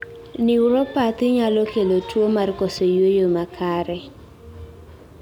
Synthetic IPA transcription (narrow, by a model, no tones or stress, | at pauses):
nɪʊɾɔpat̪ɪɲalɔkelotwomarkɔsojwojomakʰaɾɛ